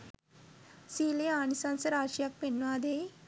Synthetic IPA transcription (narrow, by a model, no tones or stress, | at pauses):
sileanisãnsəɾaɕijak̚penːʋad̪e